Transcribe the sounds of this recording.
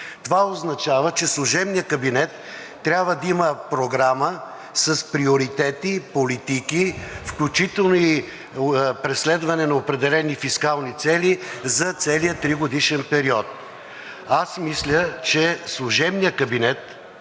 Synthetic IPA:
t̪ovaoznɐt͡ʃavət͡ʃɛslˠʊʒɛbnijəkɐbinɛt̪ː | ɾʲabvəd̪ɐiməpɾoɡɾamə | sɐspɾioɾit̪ɛt̪ipolit̪ikifklʲut͡ʃit̪ɛlˠnoi | pɾɛslɛd̪vɐnɛnɐopɾɛd̪ɛlɛnifiskalˠnit̪sɛlʲizɐt̪sɛlijət̪ɾiɡod̪iʃɛnpɛɾiɔt̪̚ | asmislʲət͡ʃɛslˠʊʒɛbnijəkɐbinɛt̪

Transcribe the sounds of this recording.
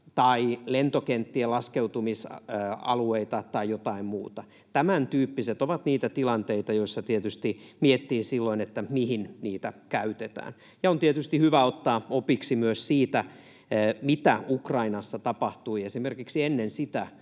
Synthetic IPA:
t̪ɑilent̪okent̪ːielɑskeut̪umisɑ̰lueit̪ɑt̪ɑijot̪ɑimmuːt̪ɑ | t̪æmænt̪yːpːiset̪oʋɑt̪niːt̪æt̪ilɑnt̪eit̪ɑjoisːɑt̪iet̪yst̪imiet̪ːiːsilːoinet̪ːæmihinniːt̪ækæyt̪et̪æ̰ːn | jɑont̪iet̪yst̪ihyʋæot̪ːɑːopiksimyøssiːt̪æ | mit̪æukrɑinɑsːɑt̪ɑpɑht̪uiesimerkiksienːensit̪æ

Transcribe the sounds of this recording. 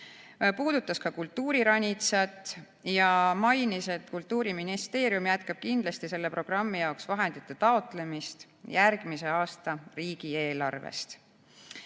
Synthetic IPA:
puːd̪̥ut̪ːˑɑskɑkult̪ːuːɾiɾɑnʲit̪sɑt̪ˑ | jɑmɑjnise̞d̪̥kult̪ːuːɾiminist̪e̞ːɾjumjæt̪kɑb̥̚kind̪lɑst̪ise̞lːe̞pro̞ɡ̥rɑmːijɑoksvɑɦe̞nd̪̥it̪ːˑe̞t̪ɑo̞t̪ˑle̞mist̪ | jærɡ̥mise̞ɑːst̪ɑriːɡ̥ie̞ːlɑ̰rvḛst̪

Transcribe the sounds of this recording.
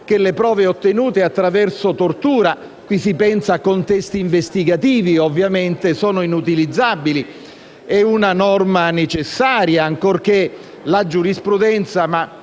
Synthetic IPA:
k̟elepɾɔːveot̪ːenuːt̪eat̪ːɾavɛrsot̪ort̪uːɾa | kwisipɛnsaːkːont̪ɛst̪iːɱvest̪iɡat̪iːviovːjament̪esɔːnoinut̪ilid̪zːabili | ɛunanɔrmanet͡ʃesːaːɾjaːŋkork̟e | lad͡ʒuɾispɾud̪ɛnt̪sama

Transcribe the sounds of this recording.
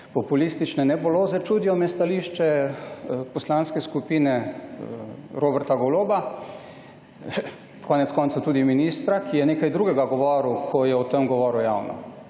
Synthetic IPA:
pɔpulist̪it͡ʃnɛnɛboloːzɛt͡ʃud̪ijɔmɛst̪aliːʃt͡ʃɛ | pɔslanskɛskupiːnɛ | ɾoːbɛɾt̪aɡɔloːba | kʰɔːnɛt̪skɔːnt̪sat̪uːd̪iminist̪ɾakʰijɛneːkajd̪ɾuːɡɛɡaɡɔʋɔːɾukʰɔjɛwt̪əmɡɔʋɔːɾuja̰ːwnɔ̰

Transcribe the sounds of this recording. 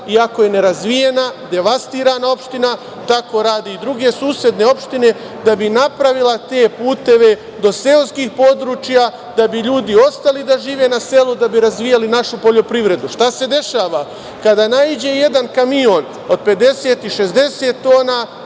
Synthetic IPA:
iako̞je̞ne̞ɾazʋije̞nad̪e̞ʋast̪iːɾaːnao̞pʃt̪ina | t̪ako̞ɾaːd̪iːd̪ɾuɡe̞suːsje̞d̪ne̞o̞pʃt̪ine̞ | d̪abinapɾaʋilˠat̪e̞ːpuːt̪e̞ʋe̞ | d̪o̞se̞oskiːhpo̞d̪ɾuːt͡ʃja | d̪abiʎuːd̪io̞st̪alid̪aʒiːʋe̞nase̞lud̪abiɾazʋijalinaʃupo̞ʎo̞pɾiʋɾe̞d̪uʃt̪ase̞d̪e̞ʃaːʋa | kad̪aːnaid͡ʑe̞je̞d̪ankamio̞n | od̪̚pe̞d̪e̞seːt̪iʃe̞zd̪e̞se̞ːt̪ːo̞ːna

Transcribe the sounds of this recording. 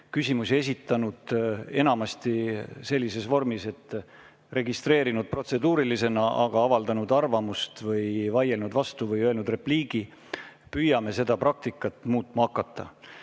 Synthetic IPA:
kysʲimusie̞s̬ʲit̪ːˑɑnud̪̥e̞nɑmɑst̪ise̞lʲːise̞svo̞rmise̞t̪ː | re̞ɡist̪re̞ːɾinud̪̥̚pro̞t̪se̞d̪uːɾilise̞nɑʔɑɡ̥ɑɑvɑld̪ɑnud̪ɑrvɑmust̪vɤjvɑjelnud̪vɑst̪uvɤjøelnud̪re̞pliːɡ̥i | pyjɑme̞se̞d̪̥ɑpɾɑk̚t̪ikːˑɑt̪ːˑmuːt̪mɑɑkːˑɑt̪ːˑɑ

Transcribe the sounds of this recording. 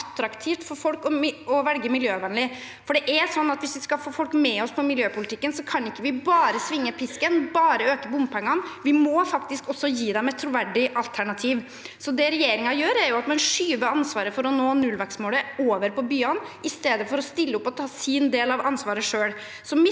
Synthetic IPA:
t̪ːɾɑkt̪ʰiːft̪fɔɾfɔlkɔɪɔʋɛlɡəmɪljøːʋɛnlɪ | fɔɖɛʔæɾsɔnːɑt̪ʋɪsʋɪskɑlfoːfɔlkmɛɔspʰɔmɪljøːpʊlɪt̪ʰɪkːənsɔkʰɑnɪkːəʋɪbɑːɾəsʋɪŋːəpʰɪskənbɑːɾəøːkəbʊmpʰɛŋːɑnʋɪmɔfɑkt̪ɪskɔsːɔjiːd̪ɛmɛt̪ʰːɾʊʋæɖɪʔɑlt̪ʰæɳɑt̪ʰiːʋ | sɔd̪ɛɾɛjeːɾɪŋɑjøːɾæɾjʊɑt̪mɛnʂyːʋəɑnsʋɑːɾəfɔɾɔnoːnʉlʋæɾksmoːləoːʋəɾpɔbyːɑnɪst̪eːd̪əfɔɾɔst̪ɪlːəʊpːɔt̪ʰɑːsiːnd̪eːlɑʋʔɑnsʋɑːɾəʂøːɽ | sɔmɪ

